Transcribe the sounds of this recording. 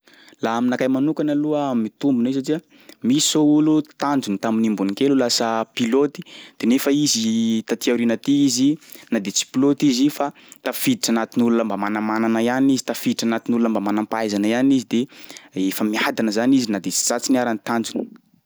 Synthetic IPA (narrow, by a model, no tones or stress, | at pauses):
laaminakajmanukanaluamit̪umbunois̬aʈ͡ʂia | misoulut̪and͡zunit̪aminimbunikelulasəpilot̪i̥d̪̥enefəizit̪at̪iawɾinət̪iizinad̪et͡si̥pilot̪izifa | t̪afid̪iʈ͡ʂanat̪inulunəmbamanamananaianizi̥t̪afid̪iʈ͡ʂanat̪inulunəmbamanampajzanəianizid̪eefəmiad̪anəzanizinad̪et͡si̥zat͡siniaɾanit̪and͡zuni̥